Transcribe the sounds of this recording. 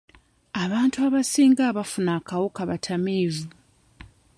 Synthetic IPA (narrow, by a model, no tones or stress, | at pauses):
aβaːntuaβasiːŋɡaːβafunaːkawokaβatʰameːvu